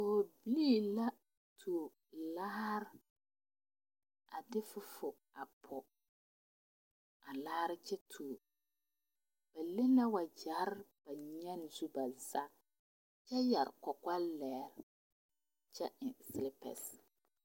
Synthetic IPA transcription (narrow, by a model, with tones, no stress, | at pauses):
ʊː˨bliː˦˨la˦ | tʰu˨ | la˦ɾ | a˨dɪ˦fʊ˦fʊ˨ | a˨pʰɔ˨ | a˨laː˦ɾɪ˦t͡ʃɛ˦tʰu˨ | b̥a˨le˦la˦wa˨d͡ʒa˨˦ɾb̥a˨ɲɛ˦n˨zu˦ba˨za˦ | t͡ʃɛ˦ja˨ɾkɔ˨ka˦lɛː˨ɾ | t͡ʃɛ˦ɪ˨sɪ˦lɪ˦pɛ̰˨s